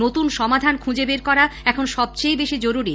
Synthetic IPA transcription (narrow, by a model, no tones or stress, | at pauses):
ot̪unʃɔmad̪ʱankʰũd͡ʑebeɾkɔɾaɛkʰonʃɔb̚t͡ɕejbeʃid͡ʑoɾuɾi